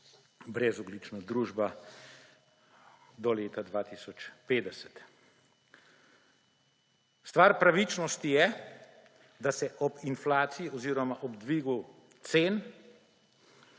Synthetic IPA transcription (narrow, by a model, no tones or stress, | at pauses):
bɾɛzɔɡlit͡ʃnad̪ɾuːʒba | d̪ɔleːt̪ad̪ʋaːt̪isɔt͡ʃpeːd̪ɛsɛ̥t̪ | st̪ʋaːɾpɾaʋit͡ʃnɔst̪ijɛ | d̪asɛʔɔbinflaːt̪sijiɔziːɾɔmaʔɔbd̪ʋiːɡu | t̪seːn